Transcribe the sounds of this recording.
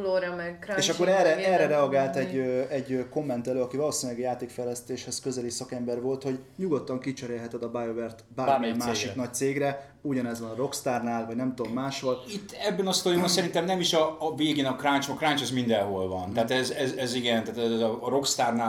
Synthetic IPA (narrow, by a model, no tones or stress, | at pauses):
loːɾɔmɛkeːʃɒkkːo̞ɾɛrɛʔɛrɛɾɛɒɡaːlt̪ɛɟːøɛɟøko̞mːɛnt̪ɛløːɒkivɒloːsinɲilɛɡjaːt̪eːkfɛjlɛst̪eːʃhɛskø̞zɛlisɒkɛmbɛrvo̞lt̪ho̞ɟɲuɡo̞t̪ːɒŋkit͡ʃɛɾeːlɦɛt̪ɛd̪ɒbajovɛrt̪baːaːɾmɛimaːʃinɒc̚t̪seːɡrɛ | uɟɒnɛzʋɒnɒɾo̞kst̪aːrnaːlvɒɟnɛmt̪oomːaːʃho̞lit̪ːɛbːɛnɒst̪ojomɔsɛɾint̪ɛmnɛmiʃɒveːɡeːnɒkrant͡ʃmkrant͡ʃɛzmind̪ɛnɦolvɒnt̪ɛaːt̪ɛzɛzɛziɡɛnt̪aːt̪ɛzzɒɾo̞kst̪aːrnaː